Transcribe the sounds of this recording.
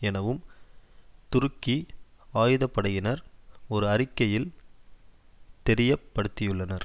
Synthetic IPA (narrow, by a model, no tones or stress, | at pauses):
ɛnɐʋɯm | t̪ʊɾɯkːiaːjɯðɐpːɐɽɐjɪnɐɾɔɾɯɐɾɪkːɐjɪl | t̪ɛɾɪjɐpːɐɽɯt̪ːɪjɯɭːɐnɐɾ